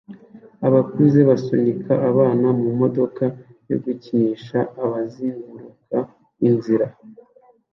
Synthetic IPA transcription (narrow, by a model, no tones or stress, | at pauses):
aβakuzeβasoɲikʰaʔːβaːnamumo̞do̞kajo̞̰ɡuciɲiʃaːβaziŋɡuɾuka | inziɾa